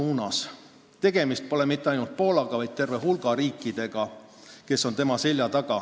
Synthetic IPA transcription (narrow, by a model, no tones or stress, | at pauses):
uːnɑs | t̪e̞ɡ̥e̞mist̪̚po̞lemit̪ːˑeɑjnult̪̚po̞ːlɑɡ̥ɑvɑjd̪̚t̪e̞rve̞ɦulɡ̥ɑɾiːkːˑid̪̥e̞ɡ̥ɑ | ke̞sːo̞nt̪e̞mɑsilʲjɑt̪ɑɡ̥ɑ